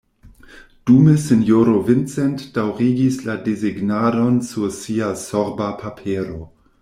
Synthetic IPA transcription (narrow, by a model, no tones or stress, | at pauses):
d̥umesenjoɾovɪnt͡sɛntd̥awɾiɡisladeziɡnadonsuɾsiasoɾbapʰapʰeɾo